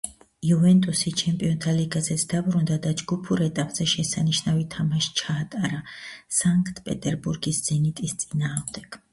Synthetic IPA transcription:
iuvɛnt̪ʼusit͡ʃʰɛmpʼiɔnt̪ʰaliɡazɛt̪sʰd̪abɾund̪ad̪ad͡ʒɡupʰuɾɛt̪ʼapʼz̥ɛʃɛsaniʃnavit̪ʰamaʃt͡ʃʰaːt̪ʼaɾasaŋkʼt̪ʰʼpʼɛ̰t̪ʼɛɾbuɾɡisz̥ɛnit̪ʼist̪sʼinaːʁmd̪ɛɡ̥

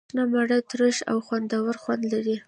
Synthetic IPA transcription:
nɑmaɽət̪ɾəʃa̰wxwand̪awaɾxwand̪laɾi

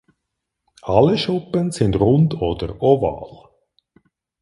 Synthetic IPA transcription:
ɑlːəʃʊpənsɪndʁʊndoːdəɾɔvɑ̰ːl

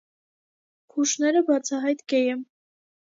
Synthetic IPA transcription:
kʰuʃnɛɾəbɑt͡sʰɑɦɑjt̪ɡɛjɛm

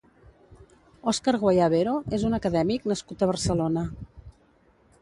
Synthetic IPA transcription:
ɔskaɾɣwajaβeɾoʔezunəkəðɛmiknəskut̪əβ̞ərsəlonə

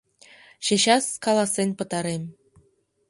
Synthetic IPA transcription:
ɕĕɕɑskɑlˠɑsːenʲpɤ̆t̪ɑɾemʲ

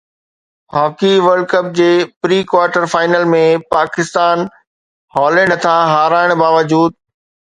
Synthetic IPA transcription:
ɦɔːkiʋəɾɖkəp̚d͡ʑeːpɾiːkwaːɾʈəɾfaːɪnəlmẽpaːkɪst̪aːn | ɦɔːlə̃nt̪ʰãɦaːɾaːɪɽ̃baːʋəd͡ʑuːd̪̚

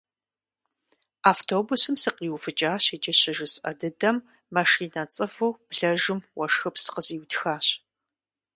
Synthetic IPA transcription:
aːftʰoːbusɨmsɨqiːwfɨt͡ʃʼaːɕid͡ʒɐɕɪʒɨsʔɐ̰dɨdɐmː | ɐʂiːnɐt͡sʼɨfuːb̥ɮɐʒɨmwɐʂxɨpsɨ̥qəziwtxaːɕ

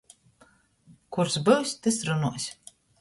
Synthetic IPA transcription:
kuɾsbɨwsʲt̪ɨsɾunuɔsʲ

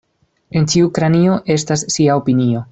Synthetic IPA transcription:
e̞nt͡ʃiukɾanio̞ʔe̞stasːiao̞pinio̞

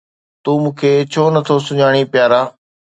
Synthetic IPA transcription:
t̪uːmũːkʰeːt͡ɕʰoːnət̪ʰoːsʊɲaːɽ̃iːpɪjaːɾaː

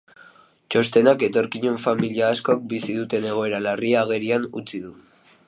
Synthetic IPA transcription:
t͡ʃo̞st̪e̞nake̞t̪o̞ɾkiɲuɱfamiliaːsko̞ak̚bisiðut̪e̞ne̞ɣ̞o̞e̞ɾalariaːɣ̞e̞ɾianut͡siðu

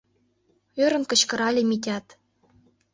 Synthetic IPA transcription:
øɾɤ̆nkɤ̆t͡ɕkɤ̆ɾɑlʲĕmitʲɑt̪

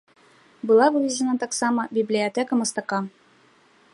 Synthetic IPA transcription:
bɤ̆lˠɑbɤvʲɪzʲɪnɑt̪ɑqsɑmɑbʲiblʲijat̪ʲekəmɤ̆st̪ɑqɑ

